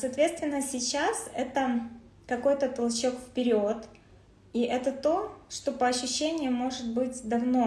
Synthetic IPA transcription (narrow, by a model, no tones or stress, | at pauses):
sɐːt̪vʲe̞t̪st̪vʲɪnːəsʲɪt͡ɕːasɛt̪ə | kɐko̞jt̪ət̪ɐlˠt͡ɕo̞kfpʲɪɾʲo̞t̪ | iʔɛt̪ət̪o̞ʂt̪o̞pəɐɕːʉɕːenʲɪjəmo̞ʐɨt̪bɨtʲd̪ɐvno̞